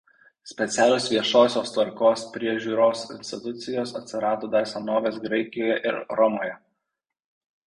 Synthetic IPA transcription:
sʲpʲɛt̪sʲæːlʲoːsʋʲiɛʃoːsʲoːst̪ʋɐɾkoːspʲɾʲiɛʒʲuːɾoːsɪ̰nʲsʲt̪ʲɪt̪ʊt̪sʲɪjoːsɐt̪ʲsʲɪɾɑːt̪oːd̪ɑɪsʲɐnoːʋʲeːsɡɾɐɪkʲɪjoːjɛʔɪɾɾɔmoːjɛ

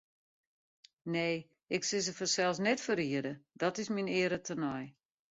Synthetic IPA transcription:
neː | ɪksɪs̬əfəsɛlˠsnɛtfəɾiədədɔtɪsminɪəɾətʰənɔj

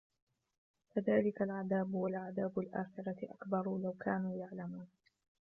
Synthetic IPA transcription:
kaðaːlɪkalʕaðaːbʊwalʕaðaːbʊlʔaːxɪɾɑʔa̰kbɑɾˤlawkʰaːnuːjaʕlamuːn

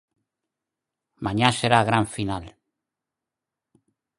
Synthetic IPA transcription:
maɲaseɾaɣɾaɱfinal

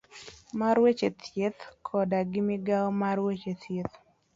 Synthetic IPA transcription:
maɾwet͡ʃet̪ʰjet̪kʰɔdaɡɪmɪɡalmaɾwet͡ʃet̪jet̪

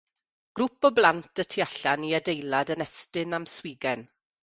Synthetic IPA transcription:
ɡ̥ɾupɔblˠantʰətʰiaɬaniadejlˠadənɛstɨnamswɪːɡɛn

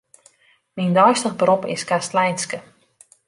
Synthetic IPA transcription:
mindɔjstənbropɪ̰skastlɛjnskə

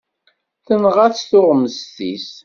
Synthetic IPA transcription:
θənʁaθθʊʁməzt̪is

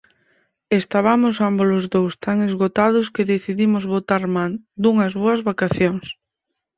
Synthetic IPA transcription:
est̪aβamʊsambolʊzðowst̪aŋezɣot̪aðʊskeðeθiðimʊzβot̪aɾmand̪uŋɐzβoɐzβakaθjoŋs

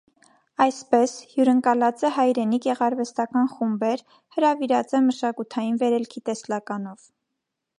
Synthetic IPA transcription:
ɑjspɛshjuɾəŋkɑlɑt͡səhɑjɾɛnikjɛʁɑɾvɛst̪ɑkɑnχumbɛɾ | həɾɑviɾɑt͡sɛməʃɑkut̪ʰɑjinvɛɾɛlkʰit̪ɛslɑkɑnɔv

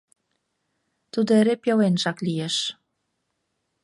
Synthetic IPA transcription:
t̪ud̪eɾepjowenʒɑklijeʃ

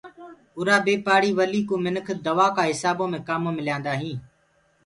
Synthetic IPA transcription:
ʊɾaːbeːpaːɽiːʋəliːkũːmɪnəkʰd̪əʋaːkãːɦɪsaːbõːmẽːkaːmõːmɪljãːnd̪aːɦĩː

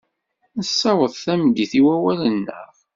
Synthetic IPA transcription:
nəsːɑwəðˤθæmɡiθiwæwælənːə̰ʁ

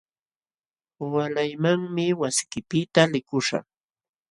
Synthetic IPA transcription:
walajmaŋmɪwasɪ̥kɪpɪt̪alɪkʊʃa̰

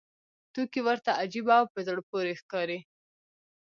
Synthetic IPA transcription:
t̪ukiwəɾt̪aad͡ʒibawpəzəɽpoɾexkɑɾe

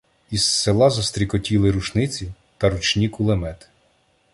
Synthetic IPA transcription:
isːelˠɑzɔst̪ɾʲikɔtʲilˠɪɾuʃnɪt͡sʲi | t̪ɐɾut͡ʃnʲikʊlˠemɛt̪ɪ̥

